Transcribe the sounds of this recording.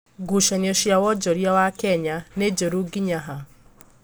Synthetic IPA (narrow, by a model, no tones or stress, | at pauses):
ɡuʃanioʃjawɔd͡ʒɔɾjawakɛɲaned͡ʒoɾuɡiɲaɦa